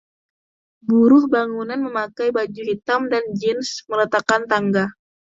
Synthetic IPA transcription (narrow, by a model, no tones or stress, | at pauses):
buɾʊhbaŋunanməmakajbad͡ʒuɦit̪amdand͡ʒɛnsmələt̪akant̪aŋɡa